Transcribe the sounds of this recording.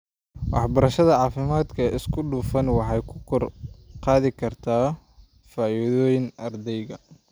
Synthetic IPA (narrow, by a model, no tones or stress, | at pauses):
wɑ̰ħbɐɾɐʃɐðɐʕɑːfɪmaːd̪kʰɐʔɪskʰʊɖuːfɐnwɑħɑjkʰʊkʰɔrqɑːðɪkʰɐrt̪ʰaː | faːiðɔːjɪŋʔɐrd̪ɛjɣɐ